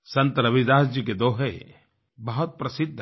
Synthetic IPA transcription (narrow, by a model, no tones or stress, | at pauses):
sɐ̃nt̪ɾɐbid̪aːsd͡ʒik̬ed̪oːɦe | bɐɦʊt̪̚pɾɐsɪd̪ʱː